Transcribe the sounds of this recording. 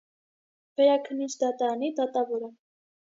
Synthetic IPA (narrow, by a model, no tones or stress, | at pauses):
v̥ɛɾɑkʰənːit͡ʃʰd̪ɑt̪ɑɾɑnid̪ɑt̪ɑvɔɾə